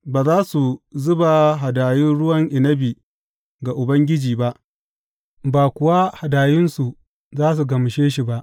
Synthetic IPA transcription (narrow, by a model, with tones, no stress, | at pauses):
baː˨zaː˦su˨zʊ˦ba˨ɦa˨daː˨jɪ˦nɽʊ˦wɐ˦ŋʔɪ˨nɐ˦bi˨ | ɡa˨ʔʊ˨bɐ˦ŋɡʲɪ˦d͡ʒiː˨ba˦ʔ | baː˨kʷʊ˨wa˦ha˨daː˨jɪ˦nsu˨ʔ | zaː˦s̬u˨ɡɐ˨m˨ʃeː˦ʃi˨ba˦ʔ